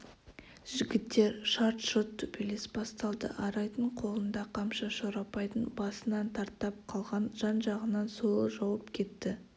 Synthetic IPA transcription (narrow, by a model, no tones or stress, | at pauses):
ʒ̥ɪɡʲɪt̪ːe̞ɾʃɑɾt̪ʃot̪ʰːʊpilesbɑst̪ɑlˠd̪ə̰ʔɑɾɑjt̪əɴqʰo̞lˠənd̪ɑqʰɑmʃɑʃoɾɑpɑjt̪ənbɑsənɑnt̪ʰɑɾt̪ːɑp̚qʰɑlˠʁɑnʒ̥ɑnʒɑʁənɑnso̞lˠəʒɑwəpkʲʰe̞t̪ːɪ